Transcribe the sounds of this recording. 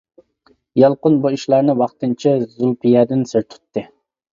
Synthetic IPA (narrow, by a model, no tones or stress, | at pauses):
jɑlˠqʊnbuiʃlˠɑɾnɨwɑχt̪ɨnt͡ʃʰɛzulˠpijɛd̪ɪnsɪɾt̪ʰu̥t̪ːɨ